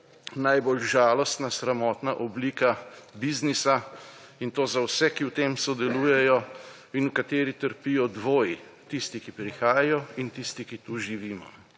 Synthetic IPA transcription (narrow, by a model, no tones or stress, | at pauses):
najboːlʒaːlɔst̪nasɾamɔːt̪naʔɔbliːkabiznisa | int̪oːzawsɛkiwt̪eːmsɔd̪ɛluːjɛjɔ | inukat̪eːɾit̪əɾpijɔd̪ʋoːjit̪ist̪ikipɾixaːjajɔint̪ist̪ikit̪uʒiʋiːmɔ̰